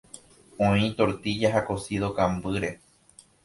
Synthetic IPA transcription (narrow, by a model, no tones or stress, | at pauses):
õĩt̪o̞ɾt̪id͡ʒaɦakosiðokãmbɨɾe̞